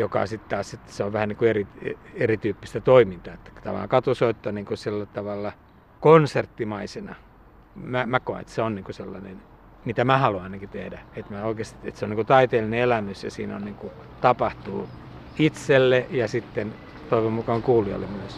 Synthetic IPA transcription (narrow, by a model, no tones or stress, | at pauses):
jokɑ̰sit̪t̪ɑːset̪ːseoʋʋæhænniːŋkuerierit̪yːpːist̪æt̪oimint̪ɑet̪ːæ̥t̪ɑ̰ʋɑ̰ɑ̰ŋkɑt̪usoit̪ːɑniːŋkusilːæt̪ɑʋɑlːɑ | konsert̪ːimɑisenɑ̰ | mæmækoḛḛt̪seonniːŋkuselːɑ̰nen | mit̪æmæhɑluɑinɑkit̪ehdæet̪mæoikest̪iḛt̪seoniŋkut̪ɑit̪eːlːineelæmysjɑsḭːno̰nniːŋku | t̪ɑpɑht̪uː | it̪selːejɑsit̪ːen | t̪oiʋommukɑŋkuːliɑ̰lːḛmmyøs